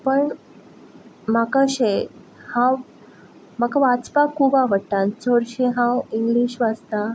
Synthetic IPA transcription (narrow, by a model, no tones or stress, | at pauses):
pəɳ | makaɕe | hãw | məkaʋat͡spakʰubaʋəɽt̪at͡soɾɕeɦãwiŋɡliːɕʋad͡zt̪a